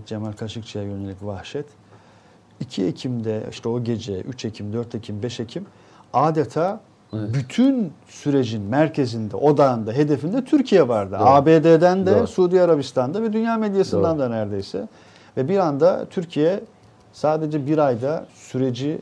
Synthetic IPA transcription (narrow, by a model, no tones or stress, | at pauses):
d͡ʒemalʲkʰaʃɯk̚t͡ʃʰajajø̞ne̞lʲicvahʃɛt̪ | icʰiecʰimd̪ɛḭʃt̪ʰɛo̞ɟe̞d͡ʒɛyt͡ʃʰe̞cʰimd̪øɾt̪ʰe̞cʰimbɛʃe̞cʰim | aːd̪et̪ʰaː | byt̪ʰyn | syɾe̞d͡ʒinmæɾcʰe̞zind̪ɛ̰ʔo̞d̪and̪aɦe̞d̪e̞find̪ɛt̪ʰyɾcʰijɛvaɾd̪ɯaːbeːd̪eːd̪ænd̪ɛsuːd̪ijaɾabist̪ʰand̪avɛd̪ynjaːmed̪ijasɯnd̪and̪anæɾd̪e̞jsɛ̰ | vɛbiɾand̪a̰t̪ʰyɾcʰijɛ | saːd̪e̞d͡ʒɛbiɾajd̪asyɾe̞d͡ʒi